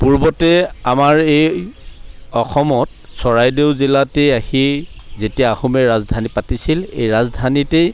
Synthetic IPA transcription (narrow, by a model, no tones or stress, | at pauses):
puɹbɔtɛamaɹej | ɔxʰɔmɔt̚ | sɔɹajdewzilatejahizetiaaxumɛɹazdʱanipatisilḛjɹazdʱanitej